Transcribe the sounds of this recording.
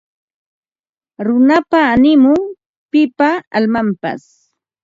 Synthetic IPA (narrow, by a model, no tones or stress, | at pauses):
ɾʊnapaːnɪmʊŋ | pɪpaa̰lmampa̰s